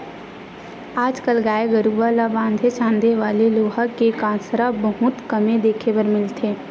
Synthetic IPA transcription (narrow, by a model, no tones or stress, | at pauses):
aːd͡ʒkəlɡaːeɡəɾuʋalabãːnd̪ʱet͡ʃãːnd̪eʋaːleloːɦəkekãːnsɾabəɦʊt̪kəmẽd̪eːkʰebəɾmɪlt̪ʰeː